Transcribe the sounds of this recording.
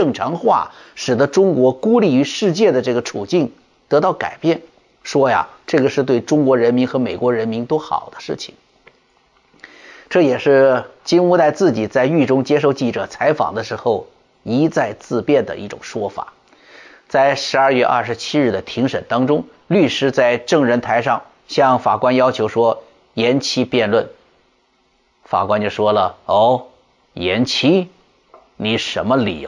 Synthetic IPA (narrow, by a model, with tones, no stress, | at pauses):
ʈ͡ʂɤ˥˩ŋʈ͡ʂʰɑ˧˥ŋxwa̰˥˩ | ʂɻ̩˨˩d̪ə˦ʈ͡ʂʊ˥ŋkwɔ˧˥ku˥li˥˩y˧˥ʂɻ̩˥˧t͡ɕjɛ˥˩d̪ə˩ʈ͡ʂɤ˥˩ɡə˩ʈ͡ʂʰṵ˨˩t͡ɕi˥˩ŋ | t̪ɤ˧˥t̪ɑ˥˩ʊka̰˨˩ɪpjɛ˥˩n | ʂwɔ˥ja̰˨ʈ͡ʂɤ˥˩ɡə˩ʂɻ̩˥˧t̪we˥˩ɪʈ͡ʂʊ˥ŋkwɔ˧˥ɻə˧˥nmi˧˥nxɤ˧˥me˨˩ɪkwɔ˧˥ɻə˧˥nmi˧˥nt̪wo˥xɑ̰˨˩ʊd̪ə̥˦ʂɻ̩˥˩t͡ɕʰi̥̰˩ŋ | ʈ͡ʂɤ˥˩jɛ˨˩ʂɻ̩˥˩t͡ɕi˥nu˥˧t̪a˥˧ɪt͡sɹ̩˥˩t͡ɕi˨˩t͡sa˥˧ɪy˥˩ʈ͡ʂʊ˥ŋt͡ɕjɛ˥ʂ̬o˥˧ʊt͡ɕi˥˩ʈ͡ʂɤ̰˨˩t͡sʰa˧˥ɪfɑ̰˨˩ŋd̪ə˦ʂɻ̩˧˥xo˥˧ʊ | i˧˥t͡sa˥˧ɪt͡sɹ̩˥˧pjɛ˥˩nd̪ə̰˩ʔi˥˩ʈ͡ʂʊ̰˨˩ŋʂwɔ˥fa̰˨˩˦ | t͡sa˥˩ɪʂɻ̩˧˥ɐ˞˥˧ɥɛ˥˧ʔɐ̰˥˩ʂɻ̩˧˥t͡ɕʰi˥ɻɻ̩˥˩d̪ə˩t̪ʰi˧˥ŋʂə˨˩nt̪ɑ˥ŋʈ͡ʂʊ˥ŋ | ly˥˧ʂɻ̩˥t͡sa˥˧ɪʈ͡ʂɤ˥˩ŋɻə˧˥nt̪ʰa˧˥ɪʂɑ˥˧ŋ | ɕjɑ˥˧ŋfa̰˨˩kwa˥njɑ˥ʊt͡ɕʰjo˧˥ʊʂwɔ˥ | jɛ˧˥nt͡ɕʰi˥pjɛ˥˧nlwə˥˩n | fa̰˨˩kwa˥nt͡ɕjo˥˧˩ʂwɔ˥lə˨o˥˩ | jɛ˧˥nt͡ɕʰi˥ | ni˨˩ʂə˧˥nmə˧lḭ˨˩˧